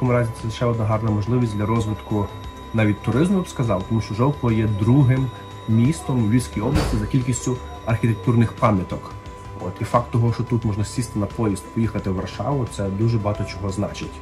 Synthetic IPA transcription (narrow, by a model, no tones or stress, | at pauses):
t̪ʲkɔmʊɾɑzʲit̪ɛʃt͡ʃɛɔd̪nɐɦɑrnɐmɔʒlˠɪʋʲisʲd̪ʲlʲɐɾɔzʋɪt̪kʊ | nɑʋʲid̚ʲt̪ʊɾɪzmʊjbskɐzɑwt̪ɔmuʃt͡ʃɔʒɔwkɔʋɐjɛd̪ɾuɦɪm | mʲist̪ɔmʋʲilʲsʲkʲijɔblˠɐsʲt̪ʲɪzɐkʲilʲkʲisʲtʲʊ | ɐrxʲit̪ek̚t̪urnɪxpɑmʲjɐt̪ɔk | ɔ̰t̪ifɑk̚t̪ːɔɦɔʃt͡ʃɔt̪ut̪mɔʒnɐsʲist̪ɪnɐpɔjist̪̚pɔjixɐt̪ɪwʋɐrʃɑ̰ʋʊt̪sɛd̪uʒɛbɔɦɑt̪ɔt͡ʃɔɦɔznɑ̰t͡ʃɪtʲ